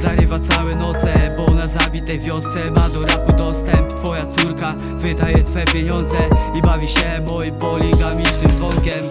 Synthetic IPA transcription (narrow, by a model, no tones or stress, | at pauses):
zaɾɪvat̪sawɛnɔt̪sɛbɔɔnazabʲit̪ɛjvʲjɔst̪sɛmad̪ɔɾapud̪ɔst̪ɛmpt̪fɔjat̪suɾka | vɘd̪ajɛt̪fɛpʲjeɲɔnd̪zɛibavʲiɕɛmɔipɔlʲiɡamʲiznɪmvɔnkʲɛm